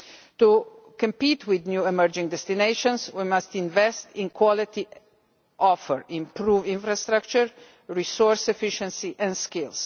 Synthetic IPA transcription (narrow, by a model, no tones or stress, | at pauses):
t̪u | kə̃mpit̪ʰwid̪njuɛməɹd͡ʒĩŋd̪ɛst̪ineʃɔ̃nswimast̪ĩnvɛst̪ʰɪ̃nkʰwɔlit̪i | ʔɔfəɹĩmpɾuːvĩnfɾast̪ɾak̚t͡ʃəɹ | ɹisɔɹsɛfiʃə̃nsiʔɛ̃nskɪls